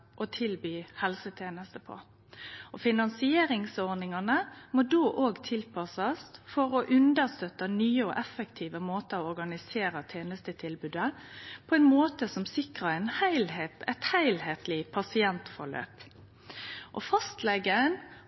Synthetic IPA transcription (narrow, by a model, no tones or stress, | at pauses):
ʔɔt̪ʰɪlbyːhɛlsət̪ʰeːnəst̪əpʰɔ̰ | ʔɔfɪnɑnsɪeːɾɪŋsɔɾnɪŋɑnəmɔd̪oːʔoːɡt̪ʰɪlpʰɑsɑsfɔɾɔʔʉnd̪əʁst̪œt̪ənyːəɔ̰ʔɛfɛkt̪ʰiːʋəmoːt̪əɔɔɾɡɑnɪseːɾət̪ʰeːnəst̪ət̪ʰɪlbʉːd̪əpʰɔɛnmoːt̪əsɔmsɪkʁəɛnhæɪlhet̪ɛt̪hæɪlheːt̪lɪpʰɑsɪɛnt̪fɔ̰ʁlø̰ːp | ʔɔfɑst̪lɛɡːən